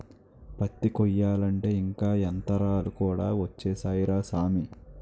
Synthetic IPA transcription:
pɐt̪ːikɔjːaːlɐɳʈe̞ːiŋkaːent̪ɐɾaːlukuːɽaːʋɐt͡ʃːeːsaːjɾaːsaːmi

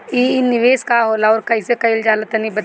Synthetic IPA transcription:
inɪʋeːskaɦoːlaɔːɾkɐisekɐɪld͡ʒaːlət̪ɐnĩbɐ

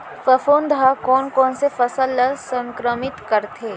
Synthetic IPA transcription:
fɐfoːnd̪ʱakɔːnkɔːnsefɐsəlːəsə̃ŋkɾəmɪt̪kɐɾt̪eː

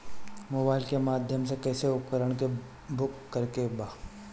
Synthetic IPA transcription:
moːbaːɪlkemaːd̪ʱjəms̬ekɛːseʊpkəɾəɽ̃ke | bʊkːɐɾkebaː

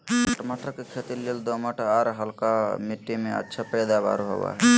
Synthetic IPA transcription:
əʈməʈʰəkekʰet̪ileld̪oməʈʰaɾɦəlkamiʈːimẽə̰tːʃʰapəjd̪aba̰ːɾuɦo̰ʋa̰ɦɛ

